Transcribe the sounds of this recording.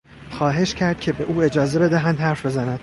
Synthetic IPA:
xɒːɦe̞ʃcʰæɾd̪̚cʲʰe̞be̞ʔuːe̞d͡ʒɒːze̞be̞d̪æɦænd̪hæɾfbe̞zænænd̪̥

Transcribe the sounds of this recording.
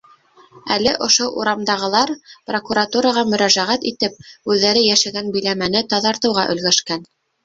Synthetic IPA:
ælɘʔŏʃoʔṵɾɑmd̪ɑʁɤ̆lˠɑɾprokuɾat̪uɾɑʁɑmɵ̆ɾæʒæʁæt̪it̪ɘp̚ʉðːæɾɘjæʃæɡænbɵ̆jlæmænɘt̪ɑðɑɾt̪ɤ̆wʁɑʔɵ̆lɡæʃkæn

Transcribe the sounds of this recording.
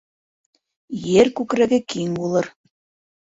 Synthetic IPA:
jeɾkʉkɾæɡɘkiŋbulˠɤɾ

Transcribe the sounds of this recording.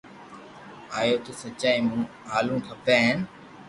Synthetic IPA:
aːjoːt̪oːsət͡ʃaːĩːmũː | ɦaːlũːʈʰəpeːɦen

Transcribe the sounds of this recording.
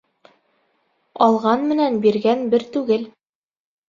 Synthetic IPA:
ɑlˠʁɑnmɘ̆nænbiɾɡænbɘɾt̪ʉɡɘl

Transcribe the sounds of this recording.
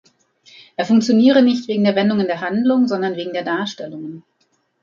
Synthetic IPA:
ʔeːɐfʊŋk̚t͡sjoniːʁ̞ənɪçtv̥eːɡŋ̩deːɐvɛndʊŋəndeːɐɦandlʊŋzɔndɐnveːɡŋ̩deːɐdaːɐʃtɛlʊŋən

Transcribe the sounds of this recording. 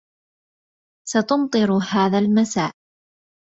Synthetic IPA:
sɑt̪ʊmt̪ˤɨɾhaːðaːlmasaːʔ

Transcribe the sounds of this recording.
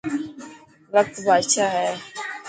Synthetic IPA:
ʋək̚t̪bʱaːdʃaːɦɛː

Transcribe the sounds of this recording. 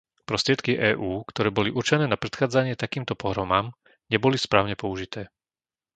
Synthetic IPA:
pɾɔst̪ɾɪɛt̪kiʔɛːʔuːkt̪ɔɾɛːbɔliʔuɾt͡ʃɛnɛːnapɾɛt̪xaːd͡zaɲɪɛt̪akiːmt̪ɔpɔɦɾɔmaːm | ɲɛbɔlispɾaːʊɲɛpɔuʒit̪ɛː

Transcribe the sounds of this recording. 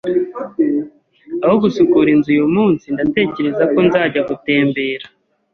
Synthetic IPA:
ahoɡusukuɾinzujomuːnsindate̞ːce̞ɾe̞zako̞nzaːɟaɡute̞ːmbe̞ːɾa

